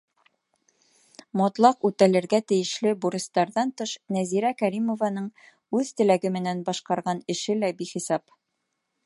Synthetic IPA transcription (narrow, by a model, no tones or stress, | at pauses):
mɒt̪lˠɑqʉt̪ælɘ̆ɾɡæt̪ɘ̆jɘ̆ʃlɘbuɾʲist̪ɑɾðɑnt̪ɤʃnæziɾækæɾimŏvɑnɤɴ | ʉðt̪ɘ̆læɡɘ̆mɘ̆nænbɑʃqɑɾʁɑnɘ̆ʃɘlæbiχisɑp